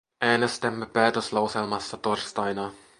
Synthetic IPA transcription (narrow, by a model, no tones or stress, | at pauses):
æːnest̪æmːepæːt̪øslɑwselmɑsːɑt̪orst̪ɑjnɑ